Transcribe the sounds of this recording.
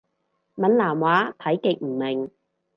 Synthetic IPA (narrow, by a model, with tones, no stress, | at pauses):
mɐ˨nlaː˨˩mwaː˨˥t̪ʰɐ˨˥jkɪ˨˧k̚m̩˨˩mɪ˨˩ŋ